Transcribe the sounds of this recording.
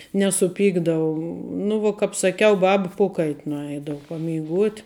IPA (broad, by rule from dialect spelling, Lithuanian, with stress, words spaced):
nʲɛsʊˈpʲiːɡdɐʋʊ nʊ ʋuɔ ˈkɐp sɐˈkʲɛʊ ˈbɑːbɐ ˈpoːkɐɪtʲ nʊˈɛɪdɐʋʊ pɐmʲɛɪˈɡuɔtʲ